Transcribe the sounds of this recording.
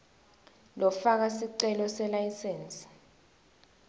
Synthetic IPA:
lɔfak̬asiǀɛlɔsɛlajsɛːnsi̥

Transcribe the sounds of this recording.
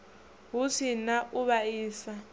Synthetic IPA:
ɦusʰinaʔuβaiːsa

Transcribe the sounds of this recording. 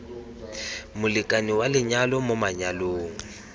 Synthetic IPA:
mʊlɪkʼaniwalɪɲalɔmʊmaɲaloːŋ̩

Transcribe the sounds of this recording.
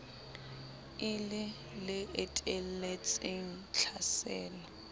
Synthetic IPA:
ɪlɪ | lɪetʼel̩let͡sʼɪŋ̩t͡ɬʰasɛːlɔ

